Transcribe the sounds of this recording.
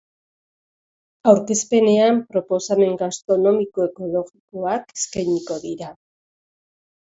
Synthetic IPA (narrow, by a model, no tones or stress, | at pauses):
awɾke̞spe̞ne̞ampɾo̞po̞same̞ŋɡast̪ɾo̞no̞miko̞e̞ko̞lo̞ɣiko̞ake̥skajɲiko̞ðiɾa